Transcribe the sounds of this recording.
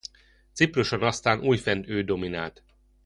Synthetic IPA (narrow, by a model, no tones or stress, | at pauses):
t̪sipruʃonɒst̪aːnʔuːjfɛnd̪øːd̪o̞mina̰ːlt̪